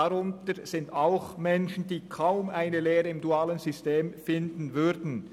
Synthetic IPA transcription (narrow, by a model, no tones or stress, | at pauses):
aʁʊntəʁz̥ɪntaʊxmɛnʃn̩diːkʰaʊmʔaɪnəleːʁəɪmduaːlənzʏsteːmfɪndn̩vʏʁdn̩